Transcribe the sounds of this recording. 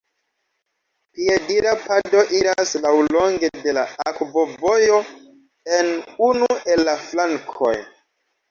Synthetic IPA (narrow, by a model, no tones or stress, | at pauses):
piediɾapado̞ʔiɾaslawlo̞ŋɡe̞de̞laakvo̞vo̞jo̞ | enunue̞lːaflaŋkʰo̞̰j